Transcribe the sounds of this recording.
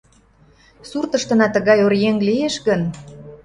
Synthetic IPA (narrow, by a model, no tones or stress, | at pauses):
surt̪əʃt̪ə̆nɑt̪əɣɑjoɾjeŋlijeʃɣən